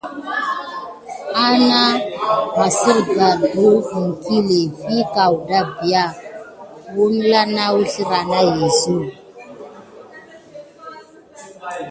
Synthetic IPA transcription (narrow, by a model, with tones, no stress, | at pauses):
a˦na˦ma˨si˦ɾɡa˨ɡu˦i˨ŋ˨ki˦le˨fi˦ka˨wda˦bi˨a˦˨ | wu˦n˦la˦na˦wu˦ɬi˦ɾa˨na˦je˨zu˦˨